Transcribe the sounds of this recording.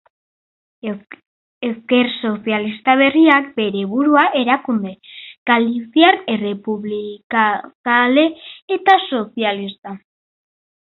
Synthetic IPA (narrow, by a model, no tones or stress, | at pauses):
eske̞ɾso̞sialist̪aβ̞e̞riak̚be̞ɾeβuɾuaʔe̞ɾakund̪e̞ɡ̥alisjaɾere̞puβlikakale̞ːt̪aso̞sialist̪a